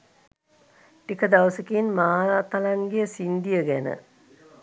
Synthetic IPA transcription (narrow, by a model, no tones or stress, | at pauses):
ʈikəd̪aʋəsəkinmaat̪alaŋɡejəsind̪ijəɡænə̰